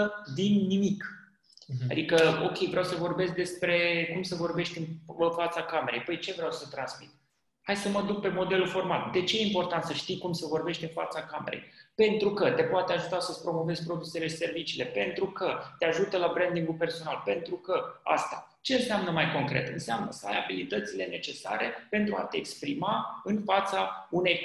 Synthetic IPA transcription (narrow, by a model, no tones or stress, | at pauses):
d̪inːimik | a̰d̪ikəo̞̰kʲe̞jvɾeawsəvo̞rbe̞sk̚d̪e̞spɾe̞kumsəvo̞rbe̞ʃt̪ʲɨnɨnfat̪sakame̞ɾe̞̰jbəjt͡ʃe̞vɾeawsət̪ɾansmit̪̚ | hajsəməd̪uk̚pe̞mo̞d̪e̞lufo̞rma̰ld̪e̞t͡ʃe̞jeimpo̞rt̪ant̪səʃt̪ijkumsəvo̞rbe̞ʃt̪ʲɨnfa̰t̪sakame̞̰ɾḛjpe̞nt̪ɾukət̪e̞poat̪eaʒut̪asəspɾo̞mo̞ve̞zʲpɾo̞d̪use̞le̞ʃi̥se̞rvit͡ʃiːle̞pe̞nt̪ɾukət̪eaʒut̪əlabɾend̪iŋɡulpe̞rso̞nalpe̞nt̪ɾukəa̰st̪a | t͡ʃe̞ɨnseamnəmajko̞ŋkɾe̞̰t̪ɨnseamnəsəa̰jabilit̪ət̪sile̞ne̞t͡ʃe̞sa̰ɾe̞pe̞nt̪ɾua̰t̪eːkspɾimaɨnfat̪saune̞j